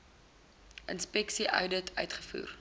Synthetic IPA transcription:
ʔənspɛksiʔœ̰ɥdətʰœ̰ɥtχə̥fṵːr

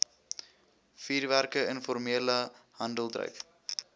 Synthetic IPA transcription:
fiːrværkəənfɔrmiələhɐndəlˠdrœ̰ɥk

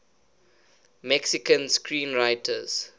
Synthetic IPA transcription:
mɛksikə̃nskɹĩːnɹaɪtʰəz̥

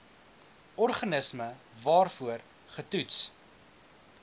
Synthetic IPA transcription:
ɔrχɐnəsmə | vɑːrfuər | χətuts

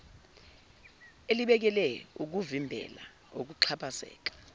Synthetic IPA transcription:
eliɓɛk̬ɛlɛuk̬uvimbʱɛ̰la̰ | ok̬uǃʰapʰʼasɛ̰ːk̬ḁ

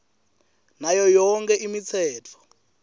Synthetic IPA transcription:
najɔjɔŋkʰɛʔimit͡sʰɛːt͡fʰɔ̥

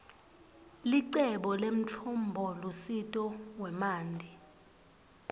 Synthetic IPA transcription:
liǀɛɓɔlem̩t͡ɬʰumbʱɔlusitʼɔwɛmaːndʱi

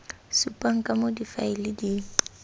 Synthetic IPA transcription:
supʼaŋ̩kʼamodifaɪlɪdi

